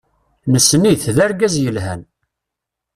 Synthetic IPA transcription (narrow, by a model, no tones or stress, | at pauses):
nəsːniθðæɾɡæzjəlɦæ̰n